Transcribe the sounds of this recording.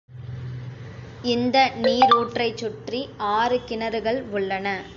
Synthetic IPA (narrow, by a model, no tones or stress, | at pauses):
ɪnd̪ɐniːɾuːʈrɐɪt͡ʃːʊʈriaːɾɯkɪnɐɾɯɣɐɭʊɭːɐnɐ